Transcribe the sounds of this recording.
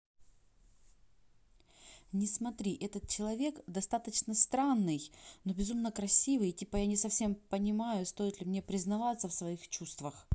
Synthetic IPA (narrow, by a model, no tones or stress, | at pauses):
nʲɪsmɐt̪ɾʲiʔɛt̪ət̪̚t͡ɕɪlˠɐvʲe̞kd̪ɐst̪at̪ət͡ɕnəst̪ɾanːɨjno̞bʲɪzumnəkɾɐsʲivɨjtʲipəjanʲɪsɐfsʲe̞mpənʲɪmajʊst̪o̞jɪt̪lʲɪmnʲe̞pɾʲɪznɐvat̪səfsvɐixt͡ɕust̪vəx